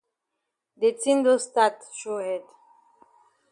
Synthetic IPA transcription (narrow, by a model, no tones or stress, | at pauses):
detĩndostatʃohɛd